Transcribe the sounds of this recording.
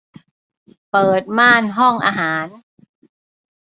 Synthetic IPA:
pɤː˨˩t̪̚maː˥˩nɦɔ˥˩ŋʔa̰ː˧ɦaː˩˦n

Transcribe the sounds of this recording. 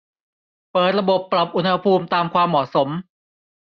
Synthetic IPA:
pɤː˨˩t̪̚ɾa˧bo˨˩pːɾla˨˩p̚ʔu˧nha˧pʰuː˧mt̪aː˧mkʰwaː˧mːɔː˨˩t̪̚so˩˦m

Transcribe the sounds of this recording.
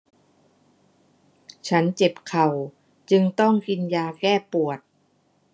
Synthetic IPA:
t͡ɕʰa˦˥nt͡ɕe˨˩p̚kʰa˨˩w | t͡ɕɯ˧ŋt̪ɔ˥˩ŋki˧njaː˧kɛː˥˩pu˨˩ət̪̚

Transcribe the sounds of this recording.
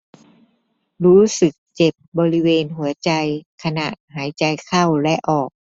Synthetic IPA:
ɾuː˦˥sɯ˨˩k̚t͡ɕe˨˩p̚bɔː˧ɾi˦˥weː˧nɦu˨˩˦ɐt͡ɕa˧jkʰa˧na̰˨˩ʔɦaː˩˦jt͡ɕa˧jkʰa˥˩wlɛ˦˥ʔɔː˨˩k̚

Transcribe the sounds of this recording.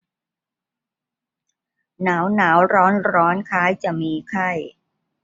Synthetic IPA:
naː˩˦wnaː˩˦wɾɔː˦˥nɾɔː˦˥nkʰaː˦˥jt͡ɕa˨˩miː˧kʰa˥˩j

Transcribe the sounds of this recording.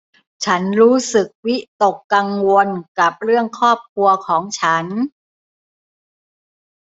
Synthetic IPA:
t͡ɕʰa˦˥nɾuː˦˥sɯ˨˩k̚wi˦˥t̪o˨˩kːa˧ŋwo˧nka˨˩p̚ɾɯ˥˩əŋkʰɔː˥˩p̚kʰu˧ɐkʰɔː˩˦ŋt͡ɕʰa˦˥n

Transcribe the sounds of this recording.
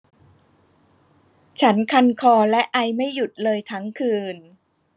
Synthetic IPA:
t͡ɕʰa˦˥nkʰa˧nkʰɔː˧lɛ˦˥ʔa˧jma˥˩jːu˨˩t̪̚lɤː˧jt̪ʰa˦˥ŋkʰɯː˧n

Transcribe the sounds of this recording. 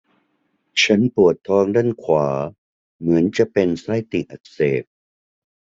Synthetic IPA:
t͡ɕʰa˦˥npu˨˩ət̪ʰːɔː˧ŋda˥˨nkʰwaː˩˦ | mɯ˩˦ənt͡ɕa˨˩pe˧nsa˦˥˩jt̪i˨˩ʔa˨˩t̪̚seː˨˩p̚

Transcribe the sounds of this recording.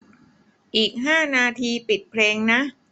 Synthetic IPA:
ʔiː˨˩k̚ɦaː˥˩naː˧t̪ʰiː˧pi˨˩t̪̚pʰleː˧ŋna˦˥ʔ

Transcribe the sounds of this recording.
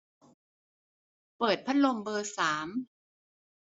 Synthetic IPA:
pɤː˨˩t̪̚pʰa˥t̪̚lo˧mbɤː˧saː˩˦m

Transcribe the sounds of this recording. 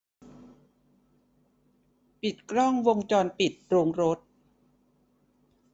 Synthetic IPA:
pi˨˩t̪̚kɾɔ˥˩ŋwo˧ŋt͡ɕɔː˧npi˨˩t̪̚ɾoː˧ŋɾo˦˥t̪̚

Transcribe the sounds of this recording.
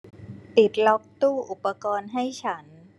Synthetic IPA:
pi˨˩t̪̚lɔ˦˥k̚t̪uː˥˩ʔu˨˩pːa˧kɔː˧nɦa˥˩jt͡ɕʰa˦˥n

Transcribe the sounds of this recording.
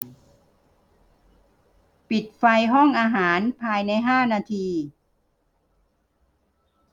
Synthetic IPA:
pi˨˩t̪̚fa˧jɦɔ˥˩ŋʔaː˧ɦaː˩˦npʰaː˧jna˧jɦaː˥˩naː˧t̪ʰiː˧

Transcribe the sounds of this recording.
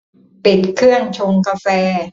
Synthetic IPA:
pi˨˩t̪̚kʰɯ˥˩əŋt͡ɕʰo˧ŋka˧fɛː˧

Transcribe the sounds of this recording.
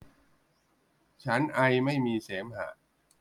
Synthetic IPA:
t͡ɕʰa˦˥nʔa˧jma˥˩jmiː˧seː˩˦mha̰ː˩˦

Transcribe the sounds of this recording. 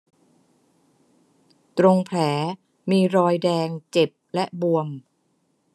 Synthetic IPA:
t̪ɾo˧ŋpʰlɛː˩˦ | miː˧ɾɔː˧jdɛː˧ŋt͡ɕe˨˩p̚lɛ˦˥bu˧əm

